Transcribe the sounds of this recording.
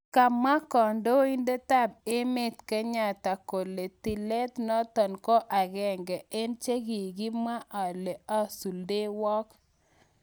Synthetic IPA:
ka˨ma˦kɔ˨ndo˦i˦nde˦ta˦be˦me˦t̪ke˦ɲa˦˨ta˨ko˨le˨ti˨le˦t̪nɔ˦t̪ɔ˨nkɔ˦ʔa˨ɣɛ˨ŋɡɛ˨ʔe˦nt͡ʃe˦ɡi˨ɡi˦ma˦ʔa˨le˨a˦su˨lde˦wɔ˦k

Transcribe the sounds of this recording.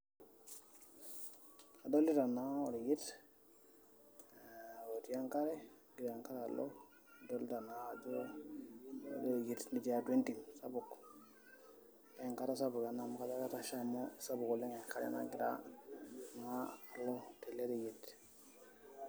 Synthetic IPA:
a˨do˦li˦ta˨na˦o˨ɾi˨ji˦t | wo˨ti˨ja˦ŋka˦ɾe˦ | ɡi˨ɾa˨ŋka˦ɾa˨lo̰˦˨ | do˦lta˨na˨d͡ʒu˦ | do˨ɡi˦tni˨d͡ʒi˦a˦twe˦nti˨msa˦bu˨k | a˨ŋka˦ta˦sa˦bu˨ka˨na˨m˦ka˦ta˦ka˦ta˨ʃa˦mo˦sa˦bu˨ko˨le˦ŋe˨ŋka˦ɾḛ˦na̰ɡi˨ɾa̰˦ | maː˦˨lo˦te˨le˦ɾi˨ji˨t

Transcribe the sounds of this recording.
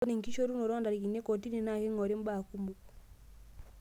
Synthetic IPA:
ni˨ŋ˨ki˦ʃo˦ɾu˦no˨ɾɔ˦ndaɾi˨ki˨ne˦kɔ˨ti˦ni˨na˦˨ke˦ŋɔ˨ɾe˦m˦ba˨ku˦mbu

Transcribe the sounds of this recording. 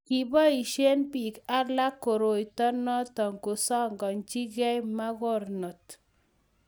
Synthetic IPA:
ki˨bɔ˦i˨ʃe˦npi˨ka˦la˦kːo˨ɾo˨jtɔ˦nɔ˦tɔ˨ŋko˨sɔ˦ŋɡɔ˨nd͡ʒi˦ɣɛ˦jma˦ɣɔ˦˨ɾnɔ˨t

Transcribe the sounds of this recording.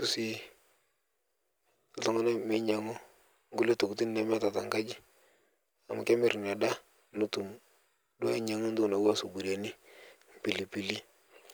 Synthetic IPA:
ku˦si˦˨ | tɔ˦ŋɔ˦na˦mi˦ɲa˨ŋo˦ | ŋɡu˦le˦to˨ku˨ti˦n˦na˦m˦a˦ta˨ta˨ŋɡa˦d͡ʒi˦ | a̰˨ma˨ke˦mi˨ɾn˨a˨da˦ | nu˨tu˨m | dwɲa˨ŋo˦n˦du˦˨na˨wa˦˨su˨bu˨ɾja˨ni˦ | m˨pi˨li˨pi˨li˦

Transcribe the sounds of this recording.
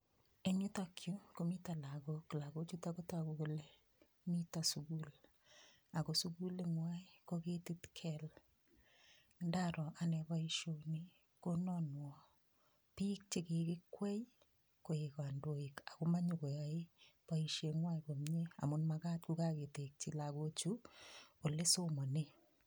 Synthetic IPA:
e˦ɲu˦takju˦komi˦ta˨la˨ko˨kla˨ko˦t͡ʃu˦tako˦takoko˨le˦ | mitasuku˦l | a˨ko˨suku˦leŋwai˦koke˦titkʰɛl | nda˦ɾɔ˨ʔa˨nɛ˨paiʃo˨ni | konɔnwɔ | pi˦k̚t͡ʃe˦ke˨kɪkwɛ˦j | ko˨eka˨ndoika˨kuma˦ɲuko˨jae˦paiʃeŋwaiko˨mɲe˦a̰˨mʊnmaka˦t̚kuka˦ke˨te˨k̚t͡ʃilakot͡ʃuko˨le˦soma˨ne

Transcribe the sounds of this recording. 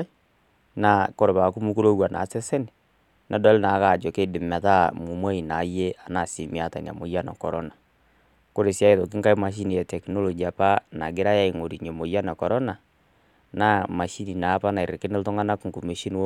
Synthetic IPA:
na˨ko˦ɾo˨βa˨ku˦mu˦ku˦ɾo˦ɣwa˨nʔa̰˨˦sɛ˦sɛ˦ni˨ | na˨dɔ˦lna˨˦ka˨d͡ʒɔ˨ke˦de˨mɛ˨ða˦mu˨mwa˦i˨na˨˦je˦a˨na˨si˨mi˨a˨ta˨n˨a̰˨mo˨ja˦na̰˨kɔ˨ɾɔ˦na˨ | ko˦ɾe˨sja˦e˨ðo˨ki˦ŋka˦i˦ma˨ʃ̬i˦ni˨ja˨tɛ˨knɔ˦lɔ˨ɡi˨a˨pa˦na˨ɡe˦ɾa˦ja˦i˨ŋo˨ɾi˨ɲe˨mo˨ja˦na˨kɔ˨ɾɔ˦na˨ | na˦ma˨ʃi˦ni˨na˨˦pa˦na˨e˨ɾe˨ke˦ne˦lto˦ŋa˦na˦ku˦ŋko˨mi˨˦ʃi˦n˦

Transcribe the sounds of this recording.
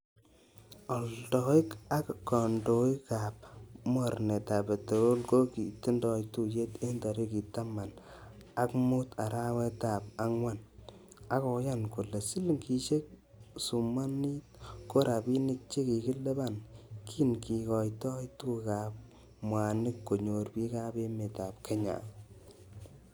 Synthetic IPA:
ɔ˨ltɔ˨i˦ka˦kːɔ˨ndo˨i˦ka˨p̚m˦a˨ɾne˨ta˨pe˨te˨ɾo˦lko˦ki˨ti˦ndɔ˨i˦k̚tu˦˨je˦te˦nda˨ɾi˦ki˨ta˦ma˨n | a˦kmu˦ta˨ɾa˦wɛ˦ta˨p̚a˦ŋwa˦n | a˦kɔ˨ja˦nku˨le˨si˦lŋki˨ʃe˦k̚ | su˨ma˦ni˦t̚ko˦ɾa˨bi˦ni˦k̚t͡ʃe˦ki˨ki˦le˦ba˦˨nkʰi˦nki˨kɔ˨jtɔ˦jtu˦ka˨p̚ | mwa˨nɪ˦kːo˨ɲo˨rpi˦ka˦be˦me˨ta˨p̚kʰe˦ɲa̰˨

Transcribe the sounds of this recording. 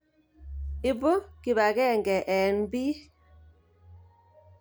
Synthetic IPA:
i˨bo˦ki˨βa˨kɛ˦˨ŋɡɛ˨ʔɛ˨nbi˦

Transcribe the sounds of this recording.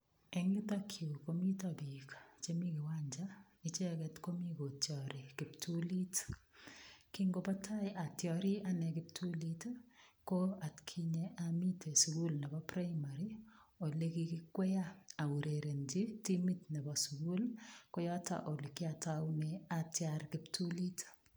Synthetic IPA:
ɛ˦ŋɡɪ˦ta˦kʰjo˨ko˦mi˦ta˨bi˨kt͡ʃe˦mi˦kɪ˨wa˦ɲd͡ʒa˦ | i˦t͡ʃe˦kɛ˦tko˦mi˦ko˨tjɔ˨ɾi˨kɪ˨ptʰu˦li˦t | ki˦ŋɡo˨pa˦tʰa˦ɪʔa˨tjɔ˨ɾi˦a˦nɛ˨kɪ˦p̚tʰu˦li˦tko˦a˨tkʰi˦ɲe˨ʔami˦tʰe˨su˨ku˦lnɛ˨bɔ˦pɾa˦jma˨ɾi˦o˨le˦ki˦kɪ˦kwɛ˦ja˦a˨wu˨ɾe˨ɾe˨nti˦ti˦mi˦tnɛ˨bɔsu˨ɡu˦lkɔ˦jɔ˦ta̰˨ʔo˨le˨kɪ˦a˨ta˦nɛatjaɾkɪ˦ptʰu˦li˦t

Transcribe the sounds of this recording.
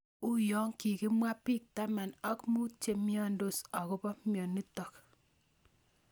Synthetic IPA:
u˦jɔ˦ŋki˨ki˦mwa˦pi˦˨k̚ta˦ma˨nɔ˦kmu˦te˨mjɔ˦ndo˦sɔ˨ko˦pɔ˦mjɔ˨nːi˦tɔ˨k

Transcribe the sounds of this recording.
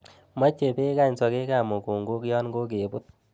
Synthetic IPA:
mɔ˦t͡ʃːe˨pe˦ka˦˨ɲsɔ˨ke˦ka˨mo˨ko˨ŋɡo˦kjɔ˦nɡo˦k̬e˨bʊ˦t̪̚

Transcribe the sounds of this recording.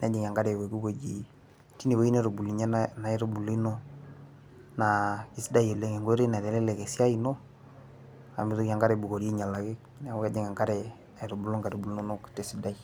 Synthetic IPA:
na˨˦d͡ʒi˨ŋ˨a˨ŋɡa˦ɾe˨we˨ku˦βo˨d͡ʒi˨ | ti˦ne˨wo˦i˦ne˦ɾo˨bu˨li˨ɲa˦nna˨ɛ˦ɾo˦bu˨li˦no˦ | na˨ki˨si˦da˦je˨le˦ŋe˨ŋɡo˦ɾe˦na˨ɾɛ˨˦lɛ˦lɛ˨ke˨si˦a˦i˨no˦ | a̰˨mi˨ðo˦ki˨a˨ŋɡa˦ɾɛ˨bu˨ko˨ɾe˦ɲa˨la˨ke˦ | n˦a˨wa˦d͡ʒe˨ŋa˨ŋɡa˦ɾɛ˨ | a˨e˨ɾo˨bu˨lo˦ŋɡa˨ɾo˨bu˨lu˦no˦no˦kte˨si˦da˦i˦

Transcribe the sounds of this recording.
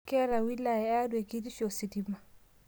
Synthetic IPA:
kɛ˦ɾa˨wi˦la˨a˦dwe˨ki˦ɾi˦ʃo˨si˨dima˨

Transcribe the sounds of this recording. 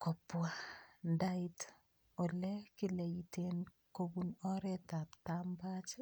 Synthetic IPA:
kɔ˨pːwa˨ndaɪ˦t | ɔ˨lɛ˦kɪ˦le˨jite˦n | kobunɔ˦ɾɛ˦ta˨ptambat͡ʃ

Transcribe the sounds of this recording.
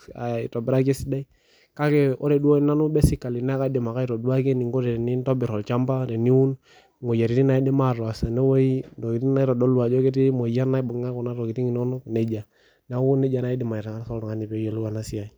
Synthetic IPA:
a˨i˨tɔ˨bɛ˦ɾa˦ke˦si˦da˦i˦ | ka˦ke˦o̰˦ɾe˨du˦o˦i˦na˦nu˦bɛ˦si˦˨ka˨li˨na˦ka˦di˨ma˨ka˦i˦ɾo˨du˦a˦ke˦ni˨ŋɡo˦ɾe˨ɾe˨ni˦n˦to˦bi˨ɾɔ˨lt͡ʃa˦mba˦ɾe˨ni˦wu˦n | mo˨ja˨ɾi˨ɾi˦na˦i˦de˦ma˦˨ɾa˨sa˨ne˦wo˦i˦do˨ki˨ɾi˦na˦i˦ɾɔ˨do˦lu˦a˨d͡ʒo˦ke˦ti˦mo˨ja˦na˦i˦bo˨˦ŋa˦kɔ˨na˦ɾo˨ki˨ti˦ŋi˨no˦nu˦kne˨d͡ʒa˨ | na˨˦wu˦ne˦d͡ʒa˨na˦i˦di˨ma˨i˨ɾa˨ŋa˦so˦lɾɔ˨ŋa˦ni˨be˦jo˨lu˦wa˨na˦si˦a˨i˦

